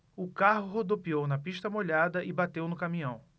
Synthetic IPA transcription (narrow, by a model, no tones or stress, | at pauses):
ʊkaɦʊɦod̪opiownɐpiʃt̪ɐmoʎad̪ɐʔɪbat̪ewnʊkamĩɐ̃w̃